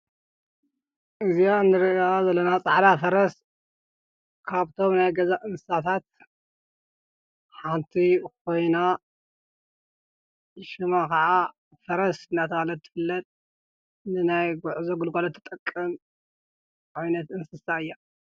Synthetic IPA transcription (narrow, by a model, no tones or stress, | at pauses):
ʔɨzijaɨnːɨɾiazɐlːɐnat͡sʼaʕħd̪afɐɾɐs | kʰaβt̪ʰo̞mnajɡɐzaʔɨnsɨsat̪ʰat̪̚ | ħant̪ʰikʰo̞jna | ʃɨmakɐʕa | fɐɾɐsɨnat̪ʰɐalɐt̪ʰːɨ̥fɨlːɐt̪ʼ | nɨnajɡuʕzoɡɨlɡolɐt̪ʰːɐ̥t̪ʼɐkʼːɨm | ʕajnɐt̪ɨnsɨsaɨjːa